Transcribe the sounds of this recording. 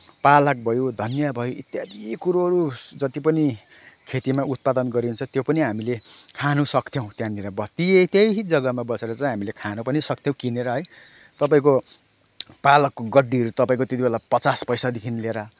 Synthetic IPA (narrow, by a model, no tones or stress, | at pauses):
palʌk̚bʱʌjod̪ʱʌnjabʱʌjoit̪jad̪ikuɾuɦʌɾud͡zʌt̪ipʌni | kʰet̪imaut̪̚pad̪ʌnɡʌɾiunt͡sʰʌt̪jopʌniɦamilekʰanusʌkt̪ʰjow̃t̪jãniɾʌbʌt̪it̪jejd͡zʌɡʌmabʌseɾʌt͡saĩɦamilekʰanupʌnisʌk̚t̪ʰjõw̃kineɾʌɦʌj | t̪ʌpaĩko | palʌkːoɡʌɖːiɦʌɾut̪ʌpaĩkot̪jet̪ibelapʌt͡saspʌjsad̪ekʰinileɾʌ